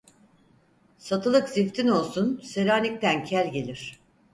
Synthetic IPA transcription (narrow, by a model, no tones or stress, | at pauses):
sat̪ʰɯlˠɯkzift̪ʰino̞lˠsunseɾaːnʲic̚t̪æncʰælʲɟe̞lʲiɾ̝̥